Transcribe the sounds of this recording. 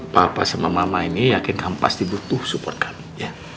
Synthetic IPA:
papa̰samamamainijakɪnampa̰sd̪ibut̪ʊhsupɔrt̪̚kʰḁmija

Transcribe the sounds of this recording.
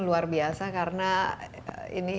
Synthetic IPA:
luarbiasakaɾəna | ḭni

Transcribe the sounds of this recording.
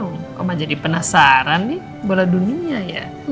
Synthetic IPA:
ukamad͡ʒadipənasaɾanːɪh | boladuniaja̰

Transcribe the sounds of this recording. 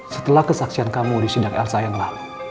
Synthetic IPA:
sət̪əlahkəsaksiankamudisidakɛlsajəŋlah

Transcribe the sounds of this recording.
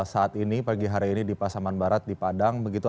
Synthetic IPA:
saat̪inipaɡiɦaɾiːnidipasamanbaɾat̪̚dipadaŋbəɡit̪u

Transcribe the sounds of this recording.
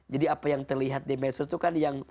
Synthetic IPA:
d͡ʒadiapajaŋt̪ərliɦat̪̚dimɛsʊst̪ukanjaŋ

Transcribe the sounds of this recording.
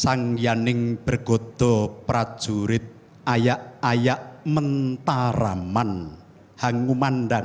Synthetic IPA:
saŋjanɪŋb̥ərɡ̥o̤d̪̥ɔ̤pɾad̥ʒ̥uɾɪt̪̚ | ajaʔajaʔmənt̪aɾa̰man | haŋumanɖaŋ

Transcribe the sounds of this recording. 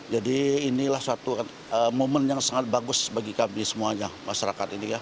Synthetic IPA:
d͡ʒadiːnilahsuat̪ukan | əmomənjaŋsaŋat̪̚baɡʊsbaɡikamisəmuaɲamaʃaɾakat̪inika

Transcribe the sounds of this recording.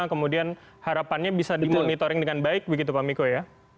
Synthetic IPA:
kəmudian | haɾapanɲabisadimonit̪oɾɪŋdəŋanbaɪk̚bəɡit̪̬upamikoja

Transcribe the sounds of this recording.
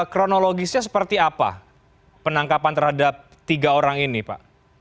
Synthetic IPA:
kɾonoloɡisɲas̬ə̥pərt̪iapa̰ | pənaŋkapant̪ərhadap̚ | t̪iɡaoɾaŋinipa̰ʔ

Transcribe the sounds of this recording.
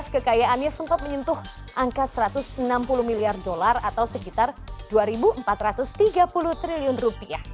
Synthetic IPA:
skəkajaanɲasəmpat̪̚məɲənt̪ʊh | ʔaŋkasəɾat̪ʊsənampulʊhmiliardolarat̪awsəkit̪arduaɾibuəmpat̪rat̪ʊst̪iɡapulʊht̪ɾiliʊnrupiah

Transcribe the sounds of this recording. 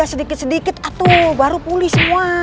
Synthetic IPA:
asədikɪt̪sədikɪt̪at̪obaɾupulɪhsəmua

